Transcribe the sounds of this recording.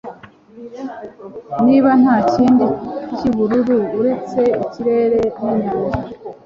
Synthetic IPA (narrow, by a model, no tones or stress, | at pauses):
niːβan̥haːciːndiiciβuɾuɾuːɾe̞t͡se̞iciɾe̞ːɾe̞niɡuːza